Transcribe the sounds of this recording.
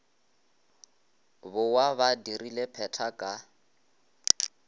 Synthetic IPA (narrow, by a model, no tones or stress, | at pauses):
bʊwaβadirilepʰɛtʰakʼa